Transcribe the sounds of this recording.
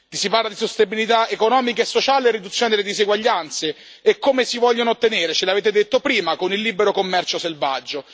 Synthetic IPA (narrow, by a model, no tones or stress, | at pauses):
t̪isiparlad̪isost̪ebilit̪aekonɔːmikaesːot͡ʃaːleerːid̪ut̪sːjoːned̪eled̪isziɡwaʎːant̪seː | kːomesivɔʎːonoot̪ːeneːɾet͡ʃeleaveːt̪ed̪et̪ːopɾiːmakonilːiːbeɾokomːɛrt͡ʃoselva̰d͡ʒːo